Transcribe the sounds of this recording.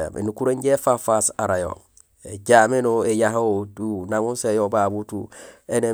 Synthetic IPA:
mḛnukuɾeɲɟefafasaɾajo̰ŋ | eɟamenoejaɦotunaŋunsejobabutuene

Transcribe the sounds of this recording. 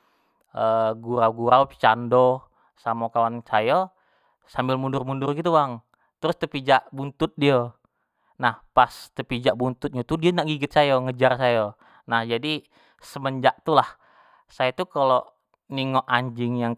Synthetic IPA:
əɡuɾawɡuɾaupt͡ʃando | samokawansajo | sambɪlmundʊrmundʊrɡit̪uwaŋ | t̪əɾʊst̪əpid͡ʒaʔbunt̪ʊt̪̚diə | nahpast̪əpid͡ʒaʔbunt̪ʊt̪̚ɲat̪udiənaʔɡiɡət̪̚sajoŋəd͡ʒarsaja | nahd͡ʒadi | səməɲd͡ʒaʔt̪ulah | sajat̪ukalo | niŋoʔaɲd͡ʒɪŋjaŋ

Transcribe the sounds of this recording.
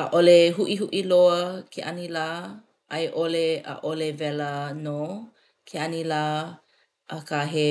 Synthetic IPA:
əʔoleɦuʔiɦuʔiloəkʰeʔanilaː | ʔɐjʔoleə̰ʔolevɛləno | kʰeanilaː | ʔəkʰaɦe

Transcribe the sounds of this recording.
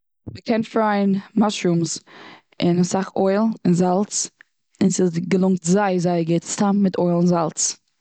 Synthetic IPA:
məkʰɛnfɾaɪnmaʃɾums | ɪnasaχoɪlˠɪnzalˠt͡s | ɪnsɪɡəlˠʊŋk̚tzaɪzaɪɡɛstammɪtʰɔɪlˠɪnzalˠt͡s

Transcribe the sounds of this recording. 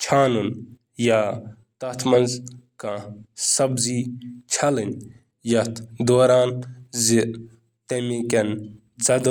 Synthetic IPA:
t͡ʃʰaːnun | ja | t̪ɐt̪ʰmɐnzkãsɐbziːt͡ʃʰɐlɨn | jɐt̪ʰd̪oːɾaːnzi | t̪ɐmikɐn | zɐd̪

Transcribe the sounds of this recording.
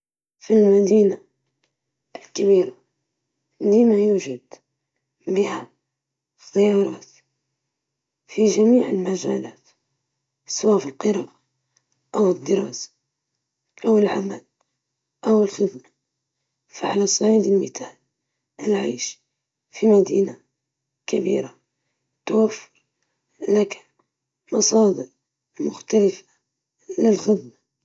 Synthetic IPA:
filmad̪iːna | ɪlkabiːɾa | limajuːʒad̪ | bɪha | θːajɑːɾˤɑːt̪ | fiʒamiːʕɪlmaʒaːlaːt̪ | sˤwaːfɪlqɨɾˤɑːʔa | ʔawɪd̪ːɪɾˤɑːsḁ | ʔawɪlʕamal | ʔawɪlxɪd̪na | faʕalasˤɑʕiːd̪əlmɪt̪ʰaːl | ɪlʕaːʃ | fimad̪iːna | kabḭːɾa | t̪awafːʊɾ | laka | mɑsˤɑːd̪əɾ | mʊxt̪alɪfḁ | lɪlxɪd̪ma

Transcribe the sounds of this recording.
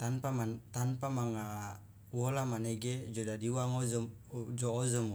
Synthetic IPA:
t̪anpamant̪anpamaŋa | uwɔlamaneɡed͡ʒodadiwaŋozəm | d͡ʒɔːzəmo

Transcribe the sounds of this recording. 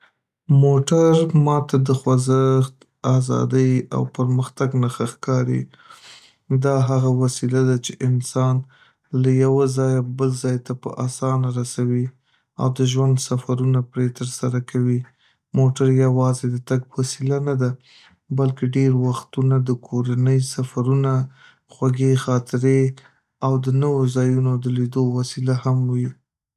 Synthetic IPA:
moʈaɾmɑt̪ad̪əxwazəxt̪ | azɑ̰d̪əja̰wpəɾməxt̪aɡnaxaxkɑɾḭ | d̪ɑɦaɣawasilad̪at͡ʃeʔɪnsɑn | lajawazɑjabəlzɑjt̪apə̰ʔɑsɑnaɾasawi | a̰wd̪əʒwand̪safaɾunapɾet̪əɾsaɾakʰawi | moʈaɾjawɑzed̪ət̪aɡwasilanad̪a | balkeɖeɾwaxt̪unad̪əkʰoɾanəjsafaɾuna | xwaɡexɑt̪ʰɪɾe | awd̪ənəwozɑjunod̪əlid̪owasilahamwi

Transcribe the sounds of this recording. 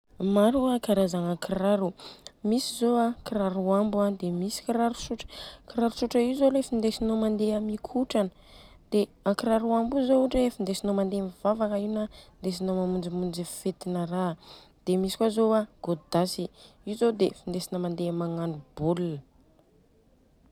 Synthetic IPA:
maɾuakaɾazaŋakɾaɾumisizoakiɾaɾuambuad̪emisi̥kiɾaɾu̥suʈ͡ʂə̥kiɾaɾusuʈ͡ʂəizolefind̪esinomand̪eamikʰuʈ͡ʂanə | d̪̥eakɾaɾuambuzouʈ͡ʂefind̪esinomand̪emiv̥avakainand̪es̬inomamund͡zimund͡zifet̪inəɾa | d̪̥emisi̥kʷazoaɡ̥od̪asi | izod̪efind̪esinəmand̪emaŋanubulunə

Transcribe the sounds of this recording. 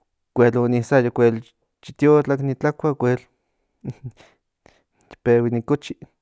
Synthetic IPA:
kʷelonisajakʷel | t͡ʃit̪jot͡ɬaknit͡ɬakʷakʷel | t̪i̥pewinikot͡ʃi

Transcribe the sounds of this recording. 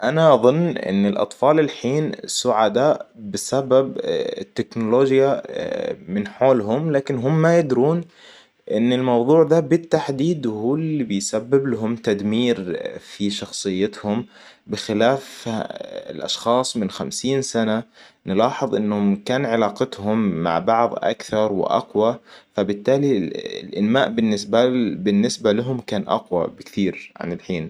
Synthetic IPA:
ʔanaʔɑðˤɨnːʔɪ̰nːɪlʔɑ̰t̪ˤfɑːlɪlħiːnsʊʕad̪aːʔbɪsababɪt̪ːɪknʊloːd͡ʒja | mɪnħoːlɦʊmlaːkɪnɦʊmːajɪd̪ɾuːn | ʔɪnːɪlmɑwðˤuːʕd̪abɪt̪ːaħd̪iːd̪huːlːibɪjsabːɪblɦʊmt̪ad̪miːɾfiʃɑxsˤɨjːɪt̪hʊm | bɪxɪlaːf | ɪ̰lʔɑ̰ʃxɑːsˤmɪnxamsiːnsananɪlɑːħɨðˤʔɪnːhʊmkaːnʕɪlɑːqɪt̪hʊmːa̰ʕbɑʕðˤʔa̰kθɑɾˤwɪ̰ʔɑ̰qwafabɪt̪ːaːliɪ̰lʔɪnmaːʔbɪnːɪsbabɪnːɪsbalaɦʊmkaːnʔɑ̰qwa̰bɪkt̪iːɾʕa̰nɪlħiːn

